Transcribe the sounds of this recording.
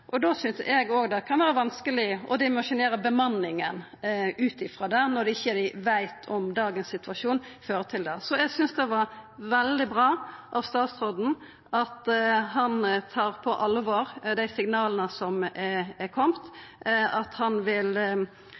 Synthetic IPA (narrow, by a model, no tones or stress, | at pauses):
ʔɔd̪oːsʏnsɛɡoːɡd̪ɛkʰɑnʋæːɾəʋɑnskəlɪɔ̰d̪ɪmɑʂɪneːɾəbəmɑnːɪŋən | ʉːt̪ɪfɾɑːd̪ænɔɾd̪ɛɪçːəɾɪʋæɪt̪ʰɔmd̪ɑːɡənsɪt̪ʋɑʂuːnføːɾət̪ʰɪld̪ɛsɔæɡsʏnsd̪ɛʋɑɾʋɛld̪ɪbʁɑːʔɑʋst̪ɑːt̪sʁɔd̪n̩ | ʔɑt̪ɦɑnt̪ʰɑːɾpʰɔʔɑlʋɑɾd̪æɪsɪŋnɑːlənəsɔmɛɛkʰɔmt̪ɑt̪hɑnʋɪl